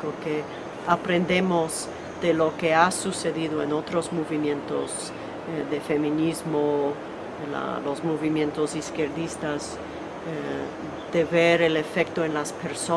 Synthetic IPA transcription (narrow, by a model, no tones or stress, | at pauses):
oke | apɾe̞nd̪e̞moz | ðelo̞ke̞asuse̞ðiðoeno̞t̪ɾo̞zmoβimjẽ̞nt̪oz | ðefe̞mĩnizmo | la̰lozmo̞βimjẽ̞nt̪oziskeɾðist̪az | e | ð̥e̞βeɾele̞fek̚t̪oenlaspeɾso